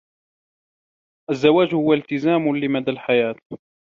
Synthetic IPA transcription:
ʔazːawaːd͡ʒhʊwalt̪ɪzaːmlɪmad̪aːlħajaːt̪̚

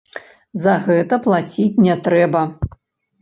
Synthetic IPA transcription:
zɐɣɛt̪ɐplˠat͡sʲit͡sʲnʲɛt̪ɾɛbɐ

